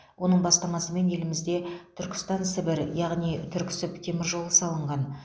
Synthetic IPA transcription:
wo̞nəɴbɑst̪ɑmɑsəme̞nje̞lɪmɪzd̪e̞t̪ʰʏɾkʲɪ̥st̪ɑnsɪbɪɾjɑʁnijt̪ʰʏɾkʲɪ̥sɪpt̪ʲʰe̞mɪɾʒo̞lˠəsɑlˠəɴʁɑn

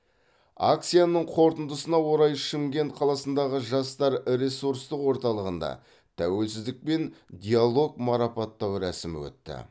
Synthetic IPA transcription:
ak̚t̪sijanəɴqʰo̞ɾt̪ənd̪əsənɑwo̞ɾɑjʃɪmɡʲe̞nt̪qʰɑlˠɑsənd̪ɑʁəʒɑst̪ɑɾɾe̞suɾst̪əqwo̞ɾt̪ɑlˠəʁənd̪ɑ̰ | t̪ʰæwe̞lsɪzd̪ɪk̚pe̞nd̪ʲialˠo̞ɡmɑɾɑpɑt̪ːɑwɾæsɪmɪ̰wɵ̰t̪ːɪ̰

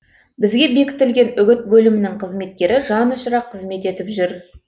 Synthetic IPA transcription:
bɪzɡʲe̞be̞kʲɪ̥t̪ɪlɡʲe̞nʏɡʲɪt̪̚bɵlɪmɪnɪŋqʰəzme̞t̪̚kʲe̞ɾɪʒɑnʊʃɾɑqʰːəzme̞t̪e̞t̪ɪpʒʏɾ

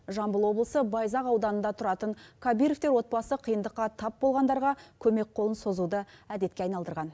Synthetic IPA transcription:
ʒɑmbəlˠwo̞blˠəsəbɑjzɑqɑwd̪ɑnənd̪ɑt̪ʰʊɾɑt̪əɴkʰabijɾoft̪e̞ɾwo̞t̪̚bɑsəqʰijənd̪əqːɑt̪ʰɑp̚bo̞lˠʁɑnd̪ɑɾʁɑkʲʰɵme̞k̚qʰo̞lˠənso̞zud̪əæd̪e̞t̪̚kʲeɑjnɑlˠd̪əɾʁɑn

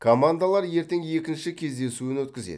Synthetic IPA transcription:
kʰomand̪alˠɑɾje̞ɾt̪eŋje̞kʲɪnʃɪkʲʰe̞zd̪e̞suɪnwɵt̪kʲɪzḛd̪

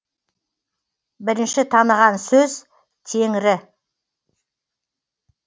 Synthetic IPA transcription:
bɪɾɪnʃɪt̪ʰɑnəʁɑnsɵz | t̪ʰe̞ŋɪɾɪ

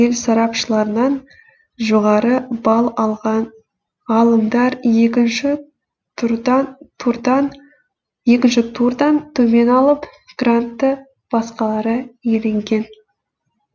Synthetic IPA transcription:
elsɑɾɑpʃəlˠɑɾənɑn | ʒoʁɑɾəbɑlˠɑlˠʁɑn | ʁɑlˠəmd̪ɑɾjekʲɪnʃɪ | d̪ | je̞kʲɪnʃɪt̪ʰuɾd̪ɑnt̪ʰɵme̞nɑlˠəp | ɡ̥rant̪ːə | b̥ɑsqɑlˠɑɾəjele̞ŋɡʲe̞n

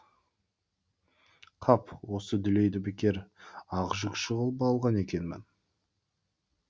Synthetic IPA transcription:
qʰɑpwo̞səd̪ʏle̞jd̪ɪbɪkʲeɾɑʁʒəkʃəʁəlˠbɑlˠʁɑne̞kʲe̞nmɪ̰n

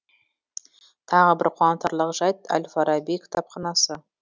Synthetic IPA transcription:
t̪ʰɑʁəbɪɾqʰwɑnt̪ɑɾlˠəqʒɑjt̪a̰lʲfaɾɑbijkt̪ʰɑp̚qɑnɑsə

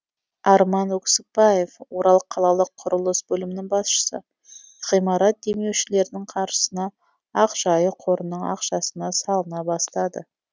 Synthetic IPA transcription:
ɑɾmɑnɵksɪk̚bɑje̞fwo̞ɾɑlˠəqʰːɑlˠɑlˠəqʰʊɾəlˠəsbɵlɪmɪnɪŋbɑsʃə̥sə̰ | ʁ̥ijmɑɾɑt̪̚d̪e̞me̞wʃɪle̞ɾɪd̪ɪɴqʰɑɾʃə̥sənɑ | ɑqʒ̥ɑjəqʰo̞ɾənːəɴɑ̰qʃɑsənɑsɑlˠənɑbɑst̪ɑd̪ə̰

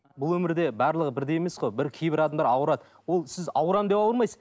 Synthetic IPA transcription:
bʊlˠwɵmɪɾd̪e̞bɑɾlˠəʁəbɪɾd̪e̞jeme̞sqojbɪɾkʲʰejbɪɾɑd̪ɑmd̪ɑɾɑwəɾɑd̪ | wo̞lˠsɪzɑ̰wəɾɑmd̪epɑw̪ˠəɾmɑjsəz

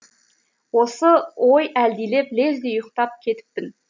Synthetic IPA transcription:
wosəwo̞jæld̪ijle̞ple̞zd̪ejʊqt̪ɑp̚kʲʰe̞t̪ɪ̥p̚t̪ɪn

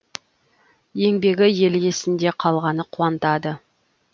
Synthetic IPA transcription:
je̞ŋbe̞ɡʲɪje̞le̞sɪnd̪e̞qʰɑlˠʁɑnəqʰʊɑnt̪ɑd̪ə

